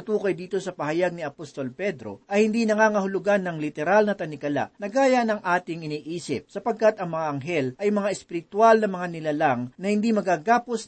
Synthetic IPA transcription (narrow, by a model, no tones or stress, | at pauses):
t̪uːkɐjd̪iːt̪o̞sɐpɐhɐjaɡ̚nɪɐpost̪o̞lpɛd̪ɾoʔɐjhɪnd̪inɐŋaːŋɐhʊlʊɡanːɐŋlɪt̪ɛɾalnɐt̪ɐnɪkɐla̰ʔnɐɡaːjɐnɐŋʔaːt̪ɪŋɪniːʔiːsɪp̚sɐpɐɡ̚kat̪ɐŋmɐŋaʔɐŋɦɛlʔɐjmɐŋaʔɛspɪɾɪt̪walnɐmɐŋanɪlalaŋnɐhɪnd̪imɐɡaɡaːpos